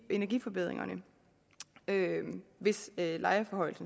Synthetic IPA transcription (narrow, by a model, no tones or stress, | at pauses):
e̝næɐɡ̥ḭfɒ̽b̥e̝ð̞̰ˠʁeŋɐnə | øʋe̝sølʔɑ̈ɪɐfɒ̽hɒ̽ɪl̩sn̩